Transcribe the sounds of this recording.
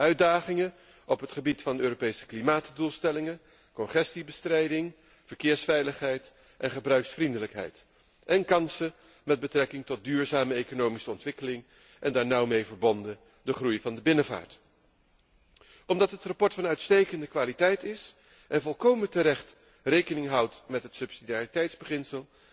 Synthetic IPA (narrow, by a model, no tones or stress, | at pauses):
œɥdaːχɪŋə | ʔɔpɦətχəbitfɑndəøːɾopejsə̥klimaːtdulˠstɛlɪŋə | kɔnχɛstibəstrɛjdɪŋ | v̥əɹkɪːɹsfɛjləχɦɛjt | ʔɛnχəbrœɥksfrindələkɦɛ̰jt | ʔɛnkɑnsə | mɛd̚bətrɛkɪŋtɔt̚dyːɹzaːməejkonowmisəɔntʋɪkəlɪŋ | ʔɛndaːɹnʌwmejvəɹbɔndə | dəχrujvɑndəbɪnəva̰ːɹt | ɔmdɑtɦətrɑpɔɹtfɑnœɥtstejkəndəkʋaːlitɛjtɪs | ʔɛnvɔlˠkowməntəɾɛχt | rejkənɪŋɦʌwtmɛtɦətsɵpsidijaːritɛjtzbəχɪnsəlˠ